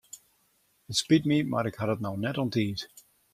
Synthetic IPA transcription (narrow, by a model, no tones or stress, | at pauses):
ətspɪt̚mima̰ɾɪkhaɾətnawnɛtɔntʰiːt